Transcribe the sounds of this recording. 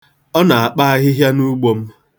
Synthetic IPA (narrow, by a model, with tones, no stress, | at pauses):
ɔ˦na˨a˨k͡pa˦a˦ɣɪ˦ɦja˦nu˦ɡ͡bo˨m̩˦